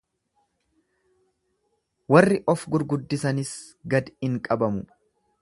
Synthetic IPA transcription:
wɐrːɪʔɔfɡʊɾɡʊd̪ːɪsɐnɪs | ɡɐd̪ɪŋkʼɐbɐmʊ

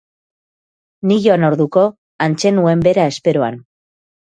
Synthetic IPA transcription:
niʎonoɾðuko̞ | ant͡se̞nue̞mbe̞ɾae̞spe̞ɾoa̰n

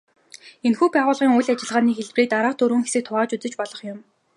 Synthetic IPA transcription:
enxuːpæːʁʊːɮʁiːŋʊjɮat͡ɕɪ̆ɮʁaːniːxeɮpriːk̚t̪aɾaːχt̪ʰɵɾɵ̆ːŋxesɘ̆k̚t̪ʰʊʁaːt͡ɕut͡sɘ̆t͡ɕpɔɮɞ̆χjʊm

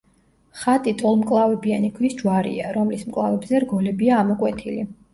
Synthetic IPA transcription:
χat̪ʼit̪ʼɔlˠmkʼlˠavɛbianikʰvisd͡ʒwaɾḭaɾɔmlismkʼlˠavɛbzɛɾɡɔlɛbiaːmɔkʼwɛt̪ʰili

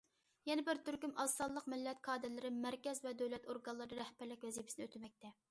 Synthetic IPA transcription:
jɛnɛbɪɾt̪yɾɡʲymɑsɑlˠːəqmɪlːɛt̪̚kʰɑːd̪ɛlɪɾɪmæɾkʲɛzvɛd̪øwlɛt̪oɾɡɑnlˠɨɾd̪ɨɾɛhpæɾlɪkʲvɛzipʰɪ̥sɪnøt̪ʰɪmɛk̚ʲt̪ʰɛ

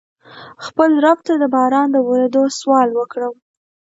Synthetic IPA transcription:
xpəlɾab̚t̪ad̪əbɑɾɑnd̪əwəɾed̪oswɑlwəkɽəw

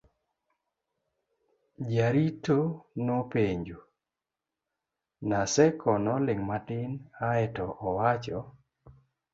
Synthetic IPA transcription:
d͡ʒaɾitonopeɲd͡ʒo | nasɛkʰɔnɔlɪŋmatɪnaɛtɔʔɔwat͡ʃɔ

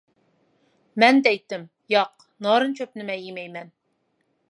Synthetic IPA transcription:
mɛnd̪ɛjt̪ːɘm | jɑq̚ | nɑɾɤnt͡ʃʰɵpnɪmɛjimɛjmɛn

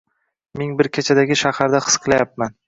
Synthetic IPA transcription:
meŋbɪɾkʲʰet͡ʃʰad̪aɡʲɪʃahaɾd̪aχɨ̥sqʰɨlajap̚man

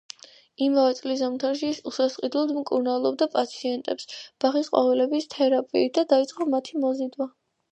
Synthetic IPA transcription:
imavɛt̪sʼlizamt̪ʰaɾʃiːsusasqʼid̪lˠɔd̪mkʼuɾnalˠɔb̚d̪apʼat̪sʰiɛnt̪ʼɛpsb̥aχisqʼwa̰vilɛbist̪ʰɛɾapʼḭːd̪ad̪ait̪sʼqʼɔmat̪ʰimɔzid̪wa

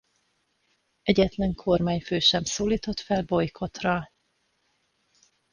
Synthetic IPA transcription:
ɛɟɛt̪lɛŋkʰo̞rmaːɲføːʃɛmsoːliːt̪o̞t̪fɛlbo̞jkʰo̞t̪rɒ

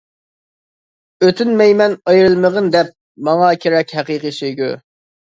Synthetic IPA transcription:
øt̪ʰynmɛjmɛnɑjɾɨlˠməʁənd̪ɛp̚ | mɑŋɑkʲʰeɾɛkʲɦɛqiqisøjɡʲu

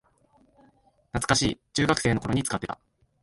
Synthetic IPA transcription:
nat͡sɨ̥kaɕḭːt͡ɕɨːɡakɯ̟̥se̞ːno̞koɾo̞ɲ̟it͡sɨ̥kat̪ːe̞t̪a̰

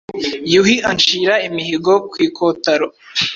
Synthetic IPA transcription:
juhiant͡ʃiːɾaimihiɡokwiːkʰoːtaɾo

